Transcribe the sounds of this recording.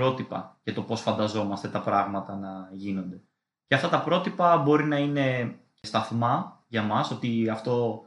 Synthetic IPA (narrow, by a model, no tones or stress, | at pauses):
ɾo̞t̪ipɐ̰ʝɐt̪o̞po̞sfɐnd̪ɐzo̞mɐst̪e̞t̪ɐpɾɐɣmɐt̪ɐnɐʝino̞nd̪e̞ | ceɐft̪ɐt̪ɐpɾo̞t̪ipɐbo̞ɾinɐine̞ | st̪ɐθmɐjɐmɐso̞t̪iɐft̪o̞